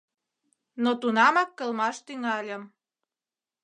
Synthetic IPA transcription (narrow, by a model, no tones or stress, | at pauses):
not̪unɑmɑkːə̆lmɑʃt̪yŋɑlʲəm